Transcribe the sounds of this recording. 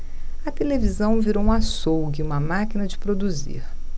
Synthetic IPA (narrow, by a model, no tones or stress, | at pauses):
ɐt̪elevizɐ̃w̃viɾowũasowɡiũmɐmakinɐd͡ʒɪpɾod̪uzḭɾ